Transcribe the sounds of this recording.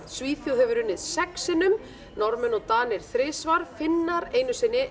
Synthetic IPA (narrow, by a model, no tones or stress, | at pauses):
sviːθjowhɛvʏɾʏnːɪð̥sɛksɪnʏm | nɔɾmʏnɔɣt̪aːnɪɾ̥θɾɪːsvaɾ̥fɪnːaɾeːjnʏsɪnːɪ